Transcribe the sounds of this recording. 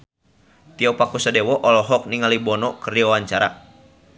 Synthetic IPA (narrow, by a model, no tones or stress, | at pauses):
t̪iɔpakusadɛwɔʔɔlɔɦɔk̚niŋalibɔnɔkərdiwawaɲt͡ʃaɾa̰